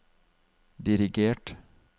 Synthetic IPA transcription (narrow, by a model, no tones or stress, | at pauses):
d̪ɪɾɪɡeːʈ